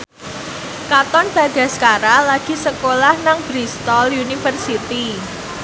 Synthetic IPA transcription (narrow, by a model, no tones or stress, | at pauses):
kat̪ɔnb̥a̤d̪̥a̤skaɾalaɡ̥i̤səkolahnaŋbɾist̪ɔljunifərsit̪i